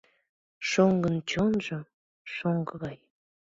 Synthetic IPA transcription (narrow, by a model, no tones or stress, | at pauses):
ʃoŋɡənt͡ɕonʒə | ʃoŋɡəɣɑj